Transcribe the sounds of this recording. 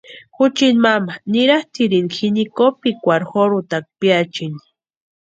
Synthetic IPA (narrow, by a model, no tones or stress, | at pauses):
xut͡ʃinmamaniɾaht̪iɾinxinikopikʷaɾxoɾut̪ak̚pjat͡ʃin